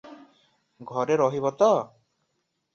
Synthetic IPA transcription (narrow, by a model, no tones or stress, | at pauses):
ɡʱɔɾeɾɔɦibɔt̪ɔ